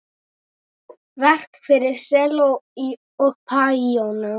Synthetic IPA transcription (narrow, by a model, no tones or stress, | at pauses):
vɛr̥kfɪɾɪɾ̥sɛːlowi | ɔɣpʰaiowna